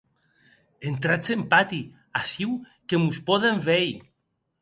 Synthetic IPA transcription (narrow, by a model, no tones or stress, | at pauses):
ent̪ɾat͡sempat̪i | asiw | kemuspɔðeɱfej